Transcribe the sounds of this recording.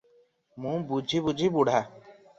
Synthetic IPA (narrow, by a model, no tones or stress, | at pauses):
mũbud͡ʒʱibud͡ʒʱibuɽ̤a